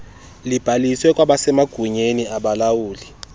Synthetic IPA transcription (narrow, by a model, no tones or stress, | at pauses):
lib̥ʱaliswɛkʼwaɓasɛmaɡ̥ʱuɲeniaɓalawuːli